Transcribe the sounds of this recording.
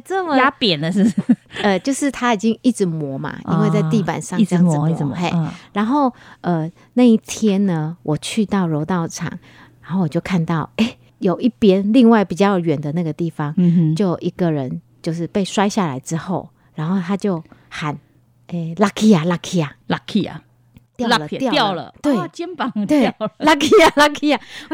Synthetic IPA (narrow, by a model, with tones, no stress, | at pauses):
t͡sə˥˩mə˨a˥pjɛ˨˩nd̪ə˨ʂ̩˥˧˩ə˨˩t͡ɕjo˥˧ʊʂɻ̩˥˩t̪ʰa˦˥i˨˩t͡ɕi˦ŋi˥˩ʈ͡ʂɻ̩˧˩mwɔ˧˥ma̰˧ḭ˦ŋwe˥˧ɪt͡sa˥˧ɪt̪i˥˩pa̰˨˩nʂɑ˥˧˥ŋə˨˧˨e˥˩ɻa˨˥nxo˥˩ʊə˨˩ | na˥˧i˥˩t̪ʰjɛ˥nnə˨wʔɔ˨˩t͡ɕʰy˥˧t̪ɑ˥˩ʊɻo˧˥ʊt̪ɑ˥˩ʊʈ͡ʂʰɑ̰˨˩˦ŋ | ɻa˨˦nxo˥˩wɔ˨˩t͡ɕjo˥˧ʊkʰa˥˧nt̪ɑ˥˩ʊe˥˩ɪ | jo˨˩ʊi˥˩pjɛ˥nli˥˧ŋwa˥˩ɪpi˨˩t͡ɕjɑ˥˩ʊ˧ɥɛ˨˩nd̪ə˨˦na˥˩ɡə˩t̪i˥˩fɑ˨˦ŋt͡ɕjo˥˩ʊʔi˧˥ɡə˨ɻə˧˦nt͡ɕjo˥˧ʊʂɻ̩˥˧pe˥˩ɪʂwa˥ɪɕja˥˨la̰˧˦ɪʈ͡ʂɻ̩˦xo˥˩ʊ | ɻa˨˧˦nxo˥˩ʊt̪ʰa˥t͡ɕjo˥˩ʊxa˨˩n | e˥˧˩la˥kʰi˦a˨˩la˥kʰi˧a˨˩la˥kʰi˧a̰˨ | t̪jʊ˧lə˨jjʊlə̰˨t̪we˥˩˨t͡ɕjɛ˦npɑ˨˦ŋt̪we˥˩la˥kʰi˥a˨la˥kʰi˥ja˨˩˥